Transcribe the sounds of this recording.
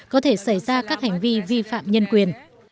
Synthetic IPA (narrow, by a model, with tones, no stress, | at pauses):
kɔ˨˦t̪ʰe˧˩sa˧˩jzaː˧kaː˦˥k̚ha˨˩jŋ̟vi˧vi˧fa̰ː˧˨mɲə˧nkwi˨˩ən